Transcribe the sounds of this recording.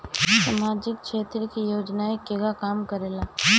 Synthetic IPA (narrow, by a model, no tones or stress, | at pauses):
saːmaːd͡ʒɪkʃeːt̪ɾəkijoːd͡ʒnaekːeɡakaːmkɐɾeːlaː